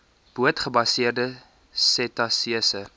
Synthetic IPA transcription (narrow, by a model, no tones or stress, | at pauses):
b̥uətχəbɐsiərdə | sɛtɐsiəsə